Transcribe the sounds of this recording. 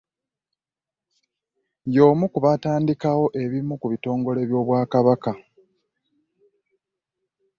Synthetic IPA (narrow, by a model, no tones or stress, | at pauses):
jo̞ːmukuβataːndikawo̞ʔe̞βimukuβito̞ːŋɡo̞leβjo̞ːβwaːkaβaka